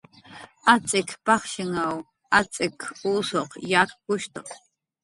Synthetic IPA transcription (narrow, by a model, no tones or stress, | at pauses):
at͡sʼɪkpɑχʃɪŋaw | at͡sʼɪkʰuːsoqjaːkkʊʃt̪ɑ̰χ